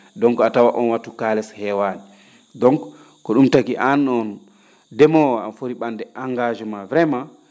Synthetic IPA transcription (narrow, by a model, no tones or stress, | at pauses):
dɔŋkɔatawaʔɔnwatukalɛshɛwanɛ | dɔŋk | kɔɗumtakiʔanɔn | dɛmɔwaa̰mfoɾiɓandɛʔaŋɡad͡ʒɛmavɾɛma